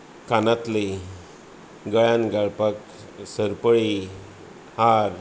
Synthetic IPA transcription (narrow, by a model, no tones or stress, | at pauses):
kanat̪le | ɡəɭanɡaɭpak | səɾpəɭi | haɾ